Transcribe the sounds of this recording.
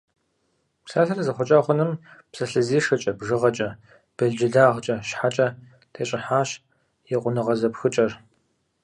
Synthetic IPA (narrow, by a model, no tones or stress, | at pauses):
psaːɬɐrɐzɐχʷɔt͡ʃʼaːχʷʊnɨmpsɐɬɨziːʂɨt͡ʃʼɐbʐɨʁɐt͡ʃʼɐ | b̥ɐɮd͡ʒɪɮaːʁt͡ʃʼɐʃħat͡ʃʼɐ | tʰeːɕʼɪħaːɕ | jɛqʷʼʊnɨʁɐzɐpxɨt͡ʃʼɐr